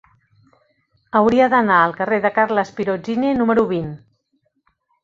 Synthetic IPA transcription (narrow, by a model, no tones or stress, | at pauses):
əwɾiəðənaəlˠkəreðəkarləspiɾod͡ʒinenuməɾuβin